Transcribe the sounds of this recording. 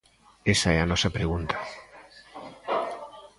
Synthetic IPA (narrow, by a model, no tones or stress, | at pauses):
esaɛanɔsapɾeɣ̞unt̪ʰḁ